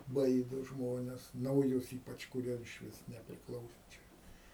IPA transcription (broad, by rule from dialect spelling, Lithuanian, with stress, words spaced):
ˈbɐɪdoː ˈʒmoːnʲɛs nɐʊˈjʊs ˈiːpɐt͡ʃ kʊˈrʲiɛ ɪʃʲˈʋʲɪs nʲɛpʲrʲɪkˈlˠɐʊsoː ˈt͡ʃʲɛ